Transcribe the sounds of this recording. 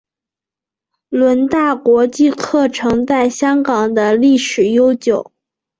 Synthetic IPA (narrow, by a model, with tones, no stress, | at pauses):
lwə˧˥nt̪a˥˩kwɔ˧˥t͡ɕi˥˧kʰɤ˥˩ʈ͡ʂʰɤ˧˥ŋt͡sa˥˩ɪɕjɑ˥ŋkɑ˨˩ŋd̪ə˦li˥˩ʂɻ̩˨˩jo˥ʊt͡ɕjo˨˩˦ʊ